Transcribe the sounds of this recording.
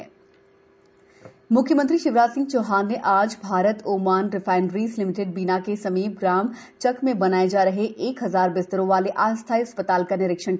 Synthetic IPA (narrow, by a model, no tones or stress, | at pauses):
mʊkʰjəmə̃nt̪ɾiʃɪʋɾaːd͡ʒsɪ̃ŋɡ̚t͡ʃoːɦaːnːeʔaːd͡ʒbʱaːɾət̪oːmaːnɾɪfaːɪnɾiːzlɪmɪʈeɖ̚biːnakesɐmiːb̚ɡɾaːm | t͡ʃɐkmẽbɐnaːed͡ʒaːɾɐɦeʔeːkɦɐzaːɾbɪst̪əɾõʋaːleʔaːst̪ʰaːjɐspət̪aːlkɐnɪɾɪkʃəɳ